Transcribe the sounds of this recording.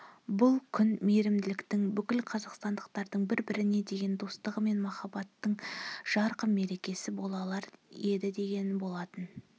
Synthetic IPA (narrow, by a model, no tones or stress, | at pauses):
bʊlˠkʲʰʏnmeɾɪmd̪ɪlɪkt̪ɪŋbʏkʲɪlqʰɑzɑqst̪ɑnd̪əqt̪ɑɾd̪əɴbɪɾbɪɾɪne̞d̪e̞ɡʲe̞nd̪o̞st̪əʁəme̞nmɑχɑbɑt̪ːəɴʒ̥ɑɾqəme̞ɾe̞kʲe̞sɪbo̞lˠɑlˠɑɾje̞d̪ɪd̪e̞ɡʲe̞nbo̞lˠɑt̪ən